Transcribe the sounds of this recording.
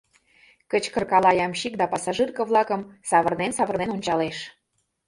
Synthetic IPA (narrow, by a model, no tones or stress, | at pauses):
kət͡ɕkə̆rkɑlɑjɑmɕik̚d̪ɑpɑsɑʒɨrkɤ̆βlɑkə̆msɑβə̆rnensɑβə̆rnenonʲt͡ɕɑleʃ